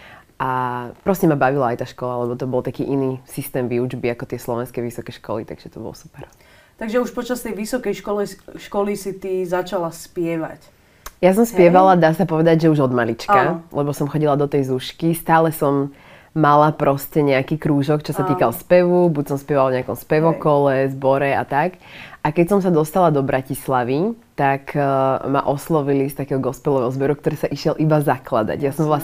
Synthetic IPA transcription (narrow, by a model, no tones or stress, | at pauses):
ʔapɾɔscɛmabaʋilaaːjt̪aːʃkɔlalɛbɔt̪ɔbɔlˠt̪akiːʔiniːsist̪ɛːmʋiud͡ʒbiakɔt̪ɪɛslɔʋɛnskɛjʋisɔkɛʃkɔ̰lḭt̪a̰ɡ̥ʒ̥ɛt̪ɔbɔ̰lɔsu̥pɛɾ | t̪aɡʒɛuʃpɔt͡ʃast̪ɛjʋisɔkɛjʃkɔliʃkɔlisit̪izat͡ʃalaspɪɛʋa̰c | jasɔmspɪɛʋalad̪aːsapɔʋɛd̪aɟʒɛuʒɔd̪malit͡ʃkalɛbɔsɔmxɔɟilad̪ɔt̪ɛjzuʃkist̪aːlɛsɔmː | alapɾɔscɛɲɛakiːkɾuːʒɔkt͡ʃɔsat̪iːkalspɛʋubucsɔmspɪɛʋalavɲɛakɔmspɛʋɔkɔlɛzbɔɾɛa̰t̪ak | akɛcsɔmsad̪ɔst̪alad̪ɔbɾʔacislaʋit̪akma̰ʔɔslɔʋilist̪akɛːɦɔɡɔspɛlˠɔʋɛɦɔzbɛɾuk̚t̪ɔɾɛːsaʔiʃɪɛlʔibazakla̰d̪a̰ɟjasɔ̃mbɔla